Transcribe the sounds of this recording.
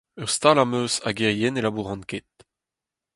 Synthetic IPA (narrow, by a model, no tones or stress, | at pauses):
œʁst̪alamøːsaɡeʁjɛnelabuʁɑ̃nket̪̚